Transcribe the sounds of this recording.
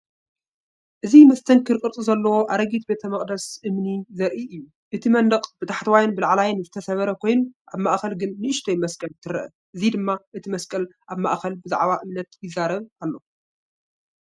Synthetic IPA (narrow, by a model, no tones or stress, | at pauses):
ʔɨzimɐst̪ʰɐŋkʰɨɾkʼɨɾt̪ʼuzɐlːɐwo̞ʔaɾɐɡit̪̚be̞t̪ʰɐmɐχʼd̪ɐsʔɨmnizɐɾʔiʔɨjːu | ʔɨt̪ʰimɐnd̪ɐqʼb̥ɨt̪ʰaħt̪wajɪnbɨlaʕlajɪnzɨt̪ʰɐsɐβɐɾɐkʰo̞jnuʔaβmaʔxɐlɡɨnːɨʔɨʃt̪ʰɐjmɐskʼɐlt̪ʰɨɾɐʔɐ̰ | ʔɨzid̪ɨmːaʔɨt̪ʰimɐskʼɐlʔaβma̰ʔxɐlbɨza̰ʕβaʔɨmnɐt̪jɪzːaɾɐβalːo̞